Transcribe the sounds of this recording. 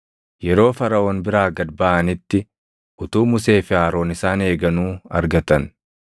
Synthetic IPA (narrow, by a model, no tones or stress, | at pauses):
jɛɾo̞ːfɐɾɐʔoːnbɪɾaːɡɐd̪bɐʔɐnɪt̪ːɪ | ʔʊt̪uːmʊse̞ːfɪaːɾo̞ːnɪsaːne̞ːɡɐnuːɐ̰ɾɡɐt̪ɐn